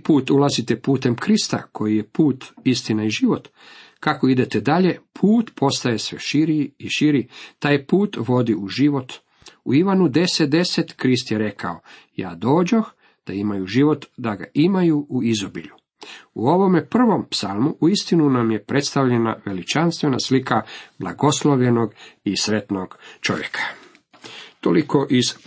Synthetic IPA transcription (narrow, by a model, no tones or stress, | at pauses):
puːt̪ulˠazit̪e̞puːt̪e̞mkɾist̪a̰kʰo̞jije̞puːt̪ist̪inaiʒiʋo̞t̪ | kako̞id̪e̞t̪ed̪aʎe̞pʰuːt̪pʰo̞st̪aje̞sʋḛʃiɾiːʃiɾit̪aːjpuːt̪ʋo̞d̪iuʒiʋo̞t̪ | ṵiʋanud̪e̞sed̪e̞set̪kɾis̬t̪jeɾe̞kʰa̰o̞ | ja̰ːd̪o̞ːd͡ʑox | d̪̥aimajuʒiʋo̞t̪d̪aɡa̰ʔimajuʔuizobḭʎu | uo̞ʋo̞mepr̩ʋo̞mpsalˠmuʔuist̪inunamjepɾʔe̞t̪st̪aʋʎena̰ʋe̞lit͡ʃanst̪ʋena̰slikʰabla̰ɡo̞slˠoʋʎe̞no̞ɡisɾe̞t̪noɡ̥t͡ʃo̞̰ʋjḛkʰḁ | t̪o̰likoʔiz